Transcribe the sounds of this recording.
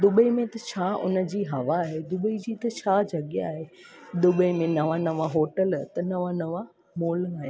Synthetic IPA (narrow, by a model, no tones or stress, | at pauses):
d̪ʊbəimẽt̪ɐt͡ɕʰaːʔʊ̰nə̆d͡ʑiːɦɐʋaːɦed̪ʊbəid͡ʑiːt̪ɐt͡ɕʰaːd͡ʑɐɠjaːɦeɗ̪ʊbəimẽnɐʋanɐʋaɦoːʈəlt̪ɐnɐʋanɐʋa | moːlaːɦe